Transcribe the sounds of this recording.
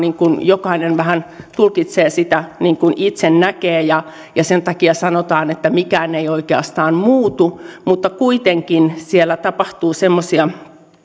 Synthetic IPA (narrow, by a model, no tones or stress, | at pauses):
niŋkunjokɑinenʋæhænt̪ulkit̪seːsit̪æniːŋkunit̪sennækeːjɑ | jɑsent̪ɑkiɑsɑnot̪ɑːnet̪ːæmikæːneioikeɑ̰st̪ɑːnmuːt̪umut̪ːɑkuit̪eŋkinsielːæt̪ɑpɑht̪uːsemːosiɑ